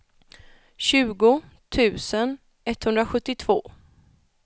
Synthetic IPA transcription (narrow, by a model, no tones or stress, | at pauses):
ɕʉ̟ːɡʊ | t̪ʰʉ̟ːsən | ɛt̪ːhɵnd̪ɾaɧɵt̪ːɪt̪ʰv̥oː